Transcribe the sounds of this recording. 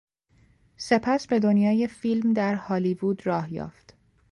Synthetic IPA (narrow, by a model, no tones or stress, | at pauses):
se̞pʰæsbe̞d̪o̞njɒːje̞filmd̪æɾhɒːliːvuːd̪rɒːhjɒ̰ːft̪